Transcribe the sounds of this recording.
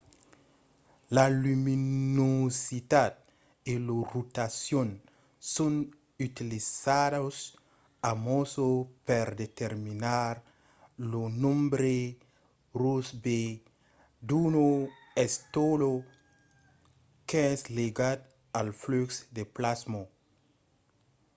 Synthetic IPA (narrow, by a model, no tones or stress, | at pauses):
lalyminosit̪at̪̚ | elorut̪asjon | son | yt̪ilizados | amosopeɾd̪et̪eɾminaɾ | lonõmbɾe | rusbe | d̪unoɛst̪olo | keɛsleɡat̪ | alfluksd̪eplazmo